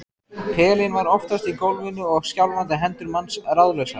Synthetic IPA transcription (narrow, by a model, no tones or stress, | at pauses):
pʰɛːlɪnvaɾɔft̪ast̪ikowlvɪnːʏɔɣscawlvant̪ɪɦɛnt̪ʏɾmansraðlœɥsa